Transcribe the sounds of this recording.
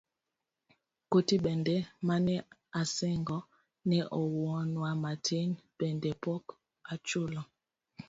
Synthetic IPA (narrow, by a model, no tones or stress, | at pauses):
kotiɓɛndɛmanɛasɛŋɡɔ | nɛʔɔwɔnwamatʰenbɛndɛpɔk | at͡ʃolɔ